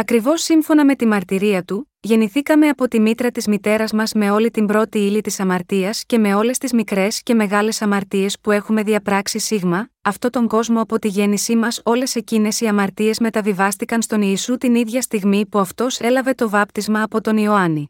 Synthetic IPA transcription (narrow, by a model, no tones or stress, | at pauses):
ɐkɾivo̞sːiɱfo̞nɐme̞t̪imɐɾt̪iɾiɐt̪u | ʝe̞niθikɐme̞ɐpo̞t̪imit̪ɾɐt̪izmit̪e̞ɾɐzmɐzme̞o̞lit̪imbɾo̞t̪iilit̪isɐmɐɾt̪iɐsce̞me̞o̞le̞st̪izmikɾe̞sce̞me̞ɣɐle̞sɐmɐɾt̪ie̞spue̞xume̞ðiɐpɾɐksisiɣmɐɐft̪o̞t̪o̞ŋɡo̞zmo̞ɐpo̞t̪iʝe̞nisimɐso̞le̞se̞cine̞siɐmɐɾt̪ie̞zme̞t̪ɐvivɐst̪ikɐnst̪o̞niːsut̪iniðʝɐst̪iɣmipuɐft̪o̞se̞lɐve̞t̪o̞vɐpt̪izmɐːpo̞t̪o̞nio̞ɐni